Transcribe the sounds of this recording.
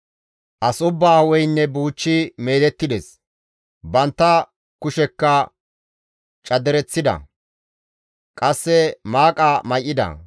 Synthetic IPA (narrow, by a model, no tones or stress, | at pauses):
ʔɐsʊbːaːwɔjnːɛbuːt͡ʃːɪme̞ːd̪ɛt̪ːɪd̪ɛs | bɐnt̪ːɐ | kʊʃɛkːɐ | t͡ʃʼɐd̪ɛɾɛt͡sːɪd̪ɐ̰ | kʼɐsːɛmaːkʼɐmɐjʔːɪd̪ɐ̰